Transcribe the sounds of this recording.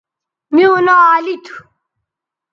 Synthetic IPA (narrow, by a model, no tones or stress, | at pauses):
mionaaːlit̪ʰu̥